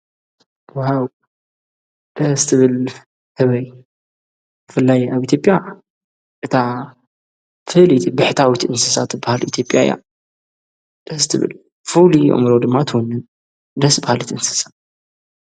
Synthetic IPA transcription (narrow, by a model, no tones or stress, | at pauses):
waw | d̪̥ɐhzt̪ʰɨβɨl | hɨβɐj | bɨfɨlːajaβʔit̪ʰjopʼja | ʔɨt̪ʰa | fɨhlit̪ʰbɨħt̪ʰawit̪ʔɨnsɨsat̪ɨbahalʔḭt̪ʰjo̞pʼja̰j̰a̰ | d̪̥ɐhst̪ʰɨβɨ̰l | fuliʔo̰mɾod̪ɨmːat̪ʰɨwonːɨn | d̪ɐsbahalɨt̪ɨnsɨ̥sḁ